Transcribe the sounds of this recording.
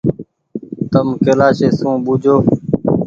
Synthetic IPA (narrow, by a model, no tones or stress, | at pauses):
t̪əmkeːlaːʃeːsũːɓʊd͡ʒʱoː